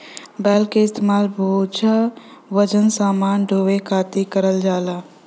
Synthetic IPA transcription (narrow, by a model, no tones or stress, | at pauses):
bɛːlkeɪst̪emaːlbʱəut͡ʃʰaʋəd͡ʒənsaːmaːnɖʱoːʋekʰaːt̪ikəɾəld͡ʒaːlaː